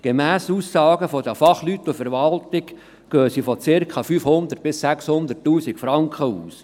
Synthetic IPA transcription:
ɡ̥emæːsuːsːɑːɡəfɔd̪əfɑχlyt̪ːufəɾʋɑlt̪ɪk | ɡ̥øːsifɔt͡sɪɾkʰχɑfyfhʊnd̪ərt̚b̥ɪssækshʊnd̪ətːuːsikfɾɑŋkχəuːs

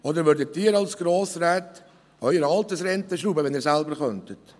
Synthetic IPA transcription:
ɔd̪əɾʋʏɾdət̪ːiːəɾɑlsɡ̥ɾoːsɾæːt̪ | œʏəɾəɑlt̪əsɾɛnt̪əʃɾuːbəʋɛniːɾsælbəɾχœnt̪ət

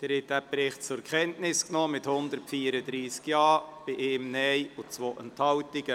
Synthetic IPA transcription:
d̥əɾɪtːæpɾɪχt̚t͡sʊɾkχɛntnɪsknoːmɪthʊnd̪ərtfiːəɾəd̪ɾiːskjɑːb̥ɪʔeːmnɛɪʊt͡svoːʔənthɑwtɪɡə

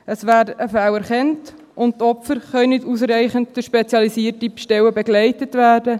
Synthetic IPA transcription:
əsʋæːɾdəfæwæɾχɛnt | ʔʊnt̚tɔpfəɾχœʏnɪtus̬ɾɛɪχənttəʃpet͡sjɑlisiːəɾtipʃtɛwəbɛɡlɛɪtətʋæːdə

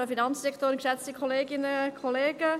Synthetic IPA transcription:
əfinɑnt͡sd̥ɛkʰtoːɾnkʃɛt͡stikʰχɔleːɡɪnəkʰoleːɡ̥ə

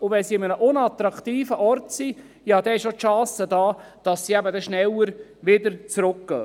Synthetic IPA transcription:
ʊvɛnsiɪmənəʔʊnɑt̪ɾɑkt̪iːfəʔɔɾtsi | jɑːd̥̪ɛɪʃʃotʃɑ̃ːsədɑː | d̥ɑsːiɛbədɛʃnɛləɾʋɪdəɾt͡sɾʊkɡ̥ə̰ː

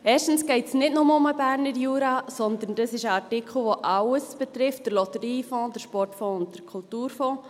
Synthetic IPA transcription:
ɛːʃtn̩sɡ̥ɛɪtsnɪtnʊməʊməbæːɾnəɾjuːɾɑsɔnd̪ən̩d̥əsɪʃəɑɾtɪkʰl̩ˠʋoʔɑwəsb̥ɛt̪ɾɪft̚d̥əɾlɔt̪əɾiːfɔ̃ːdəɾʃpɔrtfɔ̃ːʊnt̚d̥əɾkʰʊltuːɾfɔ̃ː

